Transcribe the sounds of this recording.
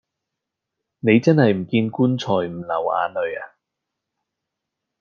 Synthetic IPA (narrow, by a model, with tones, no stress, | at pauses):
ne˨˧jt͡sɐ˥nhɐ˨jm̩˨˩kiː˧nkuː˥nt͡sʰɔː˨˩jm̩˨˩lɐ˨˩wa̰ː˨˧lɵ˨˧ɥaː˧